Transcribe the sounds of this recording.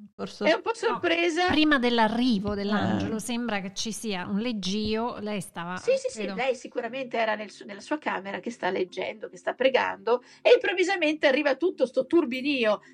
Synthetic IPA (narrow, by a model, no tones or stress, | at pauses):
ɛumpɔsːorpɾeːzapɾiːmad̪elːarːiːvod̪elːand͡ʒelosembɾaket͡ʃːisiːaunled͡ʒːiːolɛjst̪aːvaisisilɛjsikuɾament̪eɛːɾanelsunelːasuːaka̰ːmeɾak̟est̪alːed͡ʒːɛ̰nd̪okest̪apːɾeɡa̰nd̪o | eimpɾovːizament̪earːiːvat̪ut̪ːost̪ot̪urbiniːo